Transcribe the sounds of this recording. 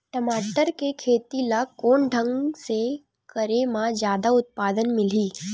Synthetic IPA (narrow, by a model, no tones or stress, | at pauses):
ʈəmaːʈəɾkekʰeːt̪ilakoːɳɖʱə̃ŋɡse | kəɾemãd͡ʒjaːd̪aʊt̪̚paːd̪ənmɪl̤iː